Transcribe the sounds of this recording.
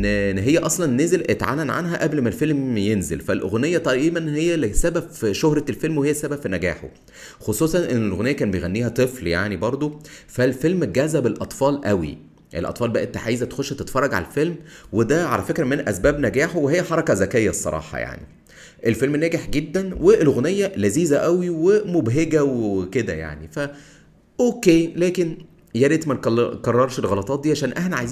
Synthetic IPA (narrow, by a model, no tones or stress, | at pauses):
ʔnnːɦejːæʔɑsˤlɑnnːeːzelʔet̪ʕa̰ːlænʕa̰nɦæʔæblmælfelmjenzḛlfælʔo̰ɣnejːæt̪ˤɑʔiːmænhejːælsæbæbʃohɾˤɑlfelmwehejːæsæbæbfinæɡæ̰ːħo̰ | xosˤuːsˤɑnʔenːelʔoɣnejːækæːnbejɣænːiːhæt̪ˤɨfljaʕnibɑɾˤd̪ˤofælfelmɡæːzæbelʔɑt̪ˤfɑːlʔæwḭ | ʔḛlʔɑ̰t̪ˤfɑːlbæʔent̪æħaːjezæt̪xoʃːæt̪et̪fɑɾˤrˤːɑɡʕa̰lælfelmwed̪æʕa̰læfekɾæmenʔæ̰sbæːbnæɡæːħowehejːæħɑɾˤɑkɑzækejːæsˤːɑ̰ɾˤɑ̰ːħɑ̰ja̰ʕnḭ | ʔelfelmnːæːɡeħɡed̪ːænweelɣonejːælæziːzæʔæwiwemobɦeɡæweked̪æ̰ja̰ʕnifæ | ʔoːkeːlæːken | jæɾet̪mænkkɑrˤːɑɾˤʃelɣɑlɑt̪ˤɑːt̪̚d̪iːʕaʃæːnʔæħnæʕa̰jz